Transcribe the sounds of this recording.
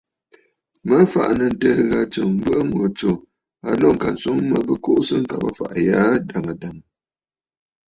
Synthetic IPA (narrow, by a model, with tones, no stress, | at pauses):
mə˦fa̰˨ʔnə˨n̩˨təː˦ɣa˨t͡ʃɨ˨ŋm̩˦bə˦ʔɨ˦mo˨t͡ʃo˨ | a˨lɔ˦˨ŋ̩˨ka˨n̩˨so˨˦ŋmə˨˦bə˦ko˦ʔsɨ˦ŋ̩˦ka˨bə̰˦fa̰˨ʔja˦da˨ŋa˨da˨ŋ˨